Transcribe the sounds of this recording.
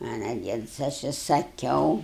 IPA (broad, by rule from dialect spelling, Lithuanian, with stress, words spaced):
ɐnɑːˈdʲiɛn sɐ ˈɐʃ ɪ sɐˈkʲɛʊ